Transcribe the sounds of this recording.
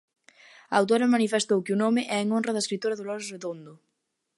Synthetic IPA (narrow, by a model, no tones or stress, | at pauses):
aawt̪̬oɾɐmanifest̪owkeunomɪʔɛeŋonrɐðɐeskɾit̪oɾɐðolɔɾreðond̪ʊ